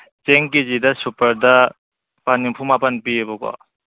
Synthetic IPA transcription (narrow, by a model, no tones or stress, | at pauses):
t͡ʃeŋkezidɐsupɐɾdɐ | panːimpʰumapɐnpiebɔkɔ̰